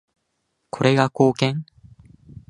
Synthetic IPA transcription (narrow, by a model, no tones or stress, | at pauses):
koɾeɡakokeŋ